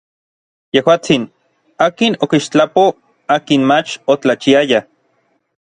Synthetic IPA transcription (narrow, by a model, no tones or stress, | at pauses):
jehwaːt͡sin | aːkinokiʃt͡ɬapo | aːkinmat͡ʃot͡ɬat͡ʃiaja